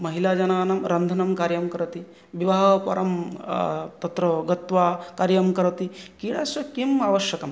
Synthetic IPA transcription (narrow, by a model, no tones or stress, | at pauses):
mɐɦilaːd͡ʒɐnaːnɐmɾɐnd̪ʱɐnɐmkaːɾjɐmkɐɾɐt̪i | ʋiʋaːɦɐpɐ̰ɾɐm | t̪ɐt̪ɾɐɡɐt̪ʋaːkaːɾjɐmkɐɾɐt̪ikiːɽaːsɐkimaːʋɐʃjɐkɐm